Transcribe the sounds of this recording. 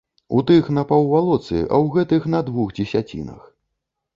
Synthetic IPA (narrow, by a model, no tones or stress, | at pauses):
ut̪ɨxnɐpɐwvalˠɔt̪sɨ̰ʔɐ̰wɣɛt̪ɨxnɐd̪vuɣd͡zʲɛsʲat͡sʲḭnɐ̰x